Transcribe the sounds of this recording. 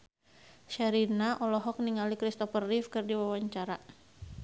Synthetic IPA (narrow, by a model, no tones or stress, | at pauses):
ʃaɾinaʔɔlɔɦɔk̚niŋalikɾist̪ɔfərːifkɨrdiwawaɲt͡ʃaɾa